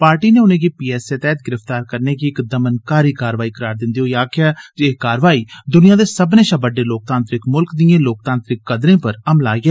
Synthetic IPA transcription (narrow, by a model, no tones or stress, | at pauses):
paːɾʈiːnẽːʊnẽːkiːpiːɛːseːt̪ɛːt̪̚ɡɪɾəft̪aːɾkəɾneːkiɪkd̪əmənkaːɾiːkaːɾʋaːiːkəɾaːɾd̪ɪ̃nd̪iːɦoːjaːkʰɪjaːd͡ʒekaːɾʋaːiːd̪ʊnɪjãːd̪eːsəbnẽːʃãːbəɖːeːloːk̚t̪ãːnt̪ɾɪkmʊlkd̪iẽːloːk̚t̪ãːnt̪ɾɪkːəd̪ɾẽːpəɾəmla̰ːiːɛː